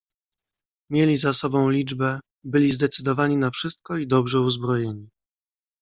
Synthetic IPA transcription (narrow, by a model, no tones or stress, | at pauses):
mʲjelʲizasɔbɔ̃w̃lʲid͡ʐbɛ | bɘlʲizd̪ɛt̪sɘd̪ɔvaɲinafʂɘst̪̚kɔid̪ɔbʐɛuzbɾɔjeɲi